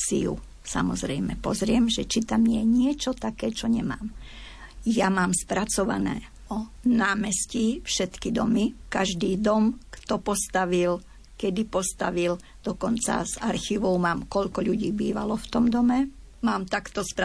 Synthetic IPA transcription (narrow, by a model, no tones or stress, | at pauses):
sḭjṵ | sa̰mɔ̰zɾɛjmɛpɔzɾɪɛmʒɛt͡ʃit̪amjɛɲɪɛt͡ʃɔt̪akɛːt͡ʃɔɲɛma̰ːm | jamaːmspɾat͡sɔʋa̰nɛ̰ː | ɔnaːmɛscifʃɛt̪kid̪ɔmikaʒd̪iːd̪ɔmkt̪ɔpɔst̪aʋil | kɛd̪ipɔst̪aʋil | d̪̥ɔkɔnt͡sa̰zaɾxiʋɔʊmaːmkɔʎkɔʎuɟiːbiːʋa̰lɔft̪ɔmd̪ɔmɛ | maːmt̪akt̪ɔspɾ